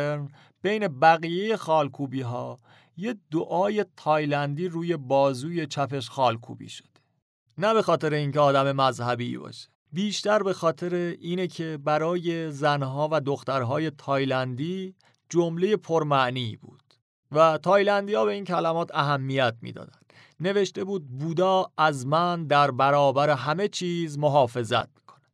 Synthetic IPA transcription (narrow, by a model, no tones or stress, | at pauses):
eɾn | b̥e̞jne̞bæɣije̞je̞xɒːlkʰuːbiːɦɒː | jed̪oʔɒːje̞t̪ʰɒːjlænd̪iːɾuːje̞bɒːzuːje̞t͡ʃʰæpe̞ʃxɒːlkʰṵːbḭːʃo̥d̪̥e | næbe̞xɒːt̪ʰe̞ɾeiːnceɒːd̪æme̞mæzhæbḭːbɒ̰ːʃe̥biːʃt̪æɾbe̞xɒːt̪ʰe̞ɾeʔiːnecʰe̞bæɾɒːje̞zænɦɒːvæd̪oxt̪æɾɦɒːje̞t̪ʰɒːjlænd̪iː | d͡ʒomle̞je̞pʰoɾmæʔnibṵːd̪̥ | væt̪ʰɒːjlænd̪iːjɒːbe̞iːncʰælæmɒːt̪ʰæɦæmːijæt̪̚ʰmḭːd̪ɒ̰ːd̪ænd̪̥ | ne̞ve̞ʃt̪e̞buːd̪̚buːd̪ɒːæzmænd̪æɾbæɾɒːbæɾe̞ɦæme̞t͡ʃʰiːzmo̞ɦɒːfe̞zæ̰t̪̚ʰmi̥kʰo̥ne̥